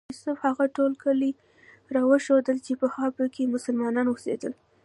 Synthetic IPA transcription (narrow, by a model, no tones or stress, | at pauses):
ʊsʊfhaɣaʈolkʰəli | ɾɑwəʃod̪əlt͡ʃepəxɑpokemʊsəlmɑnɑnwəsḛd̪əl